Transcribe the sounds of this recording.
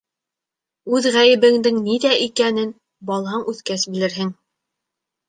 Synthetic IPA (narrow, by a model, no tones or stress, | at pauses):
ʉðʁæjɘ̆bɘ̆ŋd̪ɘŋniðæʔikænɘn | bɑlˠɦɑɴʔʉθkæsbɘ̆lɘ̆ɾɦɘŋ